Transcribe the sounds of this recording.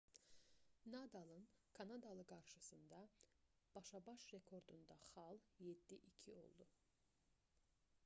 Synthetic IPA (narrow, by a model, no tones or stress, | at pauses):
nɑd̪ɑlˠɯnkʰɑnɑd̪ɑlˠɯɡɑɾʃɯsɯnd̪ɑ | b̥ɑʃɑbɑʃɾe̞kʰo̞ɾd̪und̪ɑχɑlˠjed̪ːiʔicʰio̞̰lˠd̪u